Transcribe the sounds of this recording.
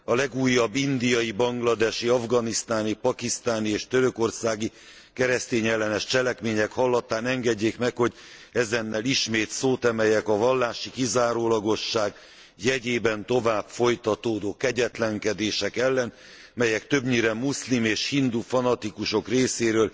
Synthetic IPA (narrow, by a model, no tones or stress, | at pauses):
ɒlɛɡuːjːɒbːind̪ijɒjibɒŋɡlɒd̪ɛʃiɒvɡɒnist̪aːnipɒkist̪aːnieːʃt̪øɾø̞ko̞rsaːɡi | kɛɾɛst̪eːɲɛlːɛnɛʃt͡ʃɛlɛkmeːɲɛkhɒlːɒt̪aːnɛŋɡɛɟːeːkmɛkho̞ɟ | ɛzɛnːɛliʃmeːt̪soːt̪ɛmɛjɛkɒvɒlːaːʃikizaːɾoːlɒɡo̞ʃːaːɡ | jɛɟeːbɛnt̪o̞vaːbfo̞jt̪ɒt̪oːd̪oːkɛɟɛt̪lɛŋkɛd̪eːʃɛkɛlːɛn | mɛjɛkt̪ø̞bɲiɾɛmːuslimeːʃhind̪ufɒnɒt̪ikuʃo̞kreːseːɾøːl